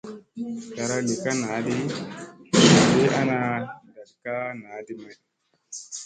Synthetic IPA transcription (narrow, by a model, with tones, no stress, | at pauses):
ja˨ɾa˨li˨ka˦na˨˦di˦˨ | be˦ʔa˦na˨da˨dka˦naː˨˦di˦ma˨n˨